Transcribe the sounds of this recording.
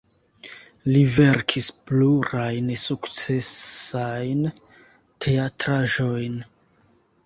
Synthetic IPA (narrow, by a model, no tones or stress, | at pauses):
live̞ɾkʰispluɾajnsukt͡se̞sajn | tʰe̞atɾaʒo̞jn